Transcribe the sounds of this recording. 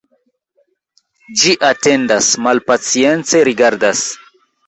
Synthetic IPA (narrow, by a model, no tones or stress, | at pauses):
d͡ʒiʔate̞ndasmalpat͡sie̞nt͡se̞ɾiɡaɾdas